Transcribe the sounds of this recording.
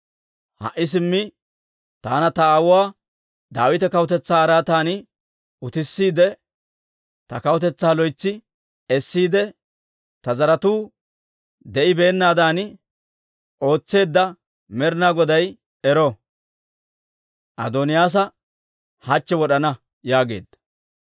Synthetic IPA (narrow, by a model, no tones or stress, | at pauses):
hɐ̰ʔːɪs̬ɪmːɪ | t̪aːnɐt̪ɐaːwʊwaː | d̪aːwɪt̪ɛkɐwʊt̪ɛt͡sːaːɾaːt̪aːnɪ | ʊt̪ɪsːiːd̪ɛ | t̪ɐkɐwɔt̪ɛt͡sːaːlɔjt͡sːɪ | ɛsːiːd̪ɛ | t̪ɐzɐɾɐt̪uː | d̪ɛʔɪbe̞ːnːaːd̪aːnɪ | ʔo̞ːt͡sːe̞ːd̪ːɐ | mɛɾɪnaːɡɔd̪ɐj | ɛɾɔ | ʔɐ̰d̪onɪjaːs̬ɐ | hɐt͡ʃːɛwɔɗɐnɐ | jaːɡe̞̰ːd̪ːɐ̥